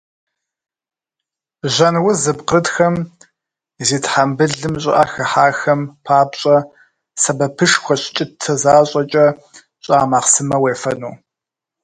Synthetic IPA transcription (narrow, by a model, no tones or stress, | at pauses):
ʑʷɐnwʊzɨbqədxɐm | ziːtħambɨɮɨmɕʼɪ̰ʔaːxɨħaːxɐmpʰaːbɕʼɐ | sɐbɐpʰɨʂxʷɔɕt͡ʃʼɪtʰɐzaːɕʼɐt͡ʃʼɐ | ɕʼaːmaːqsɨmɐweːfɐnuː